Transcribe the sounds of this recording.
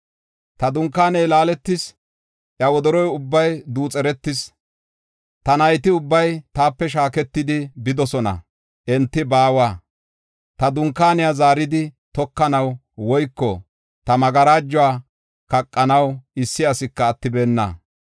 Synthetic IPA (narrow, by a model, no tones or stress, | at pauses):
t̪ɐd̪ʊŋkːaːnɛjlaːlɛt̪ːɪs | ʔjɐwɔd̪ɔɾɔjʊbːɐjd̪uːt͡sʼɛɾɛt̪ːɪs | t̪ɐnɐjt̪ɪʊbːɐjt̪aːpːɛʃ̬aːkɛt̪ːɪd̪ɪbɪd̪ɔsɔnɐ̰ | ʔɛnt̪ːɪbaːwaː | t̪ɐd̪ʊŋkːaːnɪjazaːɾɪd̪ɪt̪ɔkːɐnɐw | wɔjkːɔ | t̪ɐmɐɡɐɾaːd͡ʒːʊaː | kɐkʼːɐnɐwɪsːɪɐsɪkːɐːt̪ːɪbe̞ːnːɐ̰